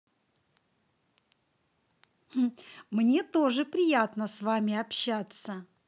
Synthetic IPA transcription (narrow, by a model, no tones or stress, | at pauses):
h̩mnʲe̞t̪o̞ʐɨpɾʲɪjat̪nəsvamʲɪɐpɕːat̪sə